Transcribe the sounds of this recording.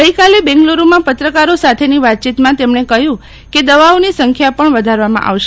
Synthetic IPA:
ɡəikalebɛ̃ŋɡloɾumãpət̪ɾəkaɾosat̪ʰeniʋat̪̚t͡ʃit̪mãt̪emɳekəjũ | ked̪əʋaʋnisəŋkʰjapəɳʋəd̪ʱaɾʋamã̰ʔa̰ʋʃe

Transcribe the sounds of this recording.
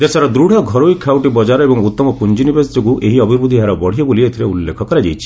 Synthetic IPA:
d̪esaɾɔd̪ɾuɽ̤ʱɔɡʱɔɾoikʰawʈibɔd͡ʒaɾɔebɔŋut̪ːɔmɔpund͡ʒinibesd͡ʒokuʔeɦiɔbʱiɾbud̪ʱiɦaɾɔbɔɽ̤iɔboliet̪ʰiɾeulːekʰɔkɔɾed͡ʒejt͡ʃʰi̥

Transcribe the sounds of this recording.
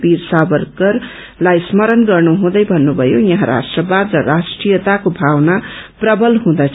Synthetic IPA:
pirsabʌrkʌr | lajsmʌɾʌnɡʌrnuɦũd̪ʌjbʱʌnːubʱʌjojʌɦãɾa̰sʈrʌbad̪rʌrasʈrijʌt̪akobʱawnaprʌbʌlɦũd̪ʌt͡sʰ

